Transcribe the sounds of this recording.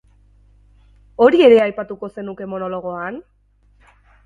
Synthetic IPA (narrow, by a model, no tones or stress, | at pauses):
o̞ɾie̞ɾe̞ajpat̪uko̞se̞nuke̞mo̞no̞lo̞ɣ̞o̞an